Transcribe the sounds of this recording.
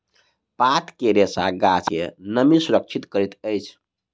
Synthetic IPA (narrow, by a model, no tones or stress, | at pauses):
pat̪keɾesa̰ɡat͡ʃḛnəmisuɾək̚t͡ʃʰit̪kəɾit̪əjt͡ʃʰ